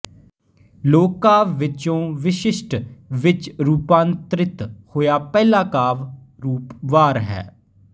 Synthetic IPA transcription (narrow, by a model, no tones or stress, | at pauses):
loːkːaːʋːɪt͡ʃõːʋɪʃɪʃʈʋɪt͡ʃɾuːpãːnt̪ɾɪt̪hoːjaːpɛːlaːkaːʋ | ɾuːpʋaːɾɦɛ̰ː